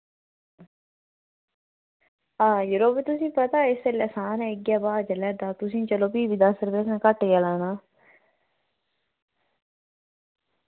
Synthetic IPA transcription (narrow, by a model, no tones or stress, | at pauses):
aːjʊɾoːpeːt̪ʊsĩːpət̪aːɪselɛsaːnɛ̃ːɪɡjaːbaːd͡ʒəlɛːd̪aːt̪ʊsĩːt͡ʃəloːpiːʋid̪aːsəɾbeːsɛ̃ːkəʈejaːlaːnaː